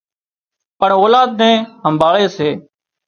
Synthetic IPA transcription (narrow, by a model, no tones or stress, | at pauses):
pəɳoːlaːd̪̚nɛ̃ːhəmbʱaːɭeːseː